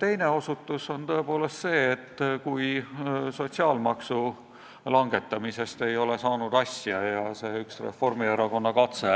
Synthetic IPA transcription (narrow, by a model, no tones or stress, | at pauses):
t̪e̞jne̞o̞sut̪ːˑuso̞nt̪o̞e̞poːle̞st̪se̞ːt̪ːkujso̞t̪siɑːlmɑksu | lɑŋɡe̞t̪ːˑɑmise̞st̪e̞jo̞le̞sɑːnud̪̥ɑsʲjɑjɑse̞ːyksre̞̰fo̞rmieɾɑko̞nːɑkɑt̪se